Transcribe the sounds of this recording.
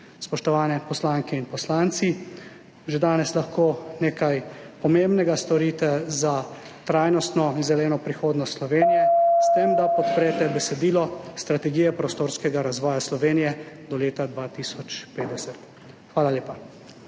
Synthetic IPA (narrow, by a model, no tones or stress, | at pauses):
spɔʃt̪ɔʋaːnɛpɔslaŋkɛinpɔslaːnt̪si | ʒed̪aːnɛslaxkoːneːkajpɔmembnɛɡast̪ɔɾit̪ɛza | t̪ɾaːjnɔst̪nɔinzɛlɛːnɔpɾixoːd̪nɔst̪slɔʋeːnijɛst̪emd̪apɔt̪pɾɛːt̪ɛbɛsɛd̪iːlɔst̪ɾat̪ɛɡiːjɛpɾost̪oːɾskɛɡaɾazʋɔːjaslɔʋeːnijɛd̪ɔleːt̪ad̪ʋaːt̪isɔt͡ʃpeːd̪ɛsɛt̪ | xʋaːlaljeːpa